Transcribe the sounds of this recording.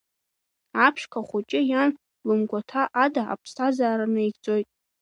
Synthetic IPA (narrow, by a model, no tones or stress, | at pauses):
apʰʃkʰaχʷʊt͡ʃʼɪjan | lɨmɡʷatʰaʔadaʔa̰pʰsʰazaːɾanɨit͡sʼo̞jtʼ